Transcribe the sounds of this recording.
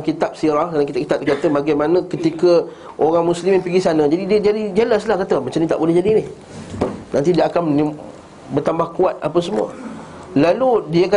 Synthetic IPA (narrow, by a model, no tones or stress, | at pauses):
kit̪ap̚siɾahkadaŋkit̪ap̚ki̥t̪ap̚dkat̪əbaɡajmanə̃kət̪ikə | ʔoɾaŋmuslimɪnpəɡisanə̃d͡ʒadidiəd͡ʒadid͡ʒalaslahkat̪əmə̃t͡ʃanĩt̪a̰ʔbolɛhd͡ʒadinɪh | nãnt̪idiaakanəni | bərt̪ambahkuat̪̚a̰pəsəmṵə̰ | laludiəka